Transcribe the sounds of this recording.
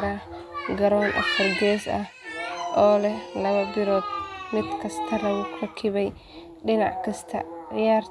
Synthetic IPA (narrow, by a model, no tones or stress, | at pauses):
ɾɐ | ɡɐɾɔːnʔɐ̰fɐrɡɛːsɐ̰hʔɔːlɛlɐβɐbɪɾɔːd̪̚mɪd̪kʰɐst̪ʰɐlɐɣʊkʰʊkʰɪβɛj | ɗɪnɑ̰ʕkʰɐst̪ʰɐ̰jaːr